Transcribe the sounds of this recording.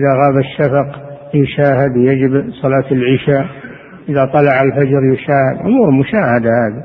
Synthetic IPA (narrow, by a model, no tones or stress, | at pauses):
ʔɪðaɣaːbaʃːafɑqjʊʃaːhɪd̪jad͡ʒɪbsˤɑlɑːt̪ɪlʕɪʃaː | ʔɪðat̪ˤɑlɑʕalfad͡ʒɾjʊʃaːhɪd̪ʕʊmuːɾmʊʃaːhad̪ahaːði